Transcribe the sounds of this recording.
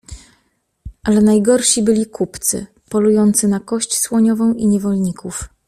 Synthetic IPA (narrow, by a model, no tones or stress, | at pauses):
ʔalɛnajɡɔɾʂibɘlʲikupt̪sɘ̰ | pɔlujɔnt̪sɘnakɔɕt͡ɕswɔɲɔvɔ̃w̃ʔiɲɛvɔlɲikʰuf